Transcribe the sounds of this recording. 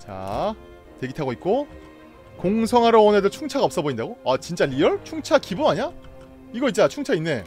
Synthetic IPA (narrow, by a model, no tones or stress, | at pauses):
t͡ɕa̰ | twe̞ɡitʰaɡoitk̚k͈o | koŋsʰʌŋɦaɾʌonedot͡ɕʰuŋt͡ɕʰaɡaʌps͈ʌboindaɡoat͡ɕint͡ɕ͈aʎiʌɭt͡ɕʰuŋt͡ɕʰakibumaɲa | iɡʌit̚t͡ɕ͈at͡ɕʰuŋt͡ɕʰainːe̞